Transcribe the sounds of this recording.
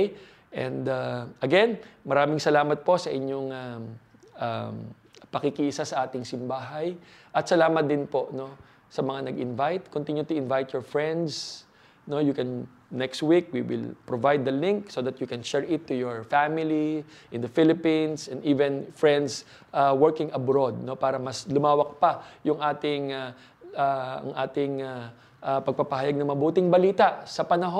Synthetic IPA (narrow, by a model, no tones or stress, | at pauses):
ʔɛ̰̃nd̪aʔɐɡɛnmɐɾaːmɪŋsɐlaːmɐt̪̚po̞sɐʔɪɲoŋa | ʔa̰m | pɐkikɪʔɪsasɐʔaːt̪ɪŋsɪmbaːɦaj | ʔɐt̪sɐlaːmɐt̪̚d̪ɪnpo̞ʔno̞ | sɐmɐŋanɐɡɪnvajt̪̚kʊnt̪iɲjʊt̪ʊɪnvajt̪̚jɔɹfɹɛ̃nd̪s | nojʊkɛn | nɛkst̪wik̚wḭwɪ̰lpɹovajd̪ːɐlɪ̃ŋksoðɐt̪jukɛ̃nʃɛɹɪt̪ːʊjɔɹfamɪliʔɪ̃nd̪ɐfɪlɪpĩnsɛnd̪iːvɛ̃nfɹɛnd̪s | ʔawɛɹkɪŋɐbɾod̪̚nopaːɾɐmɐslʊmaːwɐk̚pɐjʊŋʔaːt̪ɪŋa | aɐ̰ŋʔaːt̪ɪŋa | ʔapɐɡ̚pɐpɐɦajaɡ̚nɐŋmɐbuːt̪ɪŋbɐliːt̪ɐʔsɐpɐnɐɦo